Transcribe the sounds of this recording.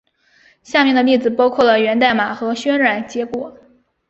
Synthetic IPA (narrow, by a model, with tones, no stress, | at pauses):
ɕja˥˧mjɛ˥˩nd̪ə˩˧li˥˩d͡zɹ̩˨˩pɑ˥ʊkʰwɔ˥˩lə˩ɥɛ˧˥nt̪a˥˩ɪma˨˩xɤ˧˥ɕɥɛ˥nɻa˨˩nt͡ɕjɛ˧˥kwɔ˨˩˦